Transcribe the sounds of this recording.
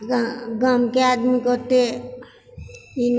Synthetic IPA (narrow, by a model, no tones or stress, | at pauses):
ɡamkead̪mikot̪e | in